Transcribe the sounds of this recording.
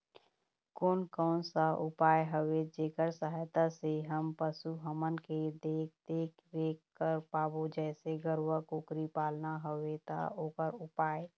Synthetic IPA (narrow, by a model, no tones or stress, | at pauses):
koːnkɔːnsaʊpaːeɦəʋed͡ʒeːkəɾsəɦajt̪aseɦəmpəsuɦəmənked̪eːk̚ʰd̪eːkʰ | ʋeːkːəɾpaːbod͡ʒɛːseɡəɾwəkʊkɾipaːlnaɦəʋet̪a̰oːpəɾʊpaːe